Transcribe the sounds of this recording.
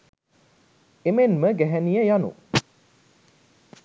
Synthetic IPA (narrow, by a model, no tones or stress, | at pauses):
emenməɡæɦænijəjanṵ